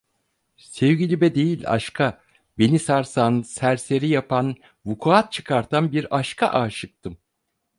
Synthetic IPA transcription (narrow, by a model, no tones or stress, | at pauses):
sɛvɟʲilʲibɛd̪e̞jilʲa̰ʃkʰa | be̞nisaɾsansæɾse̞ɾijapʰan | vukʰuat̪̚t͡ʃʰɯkʰaɾt̪ʰanbiɾaʃkʰaʔaːʃɯk̚t̪ʰɯm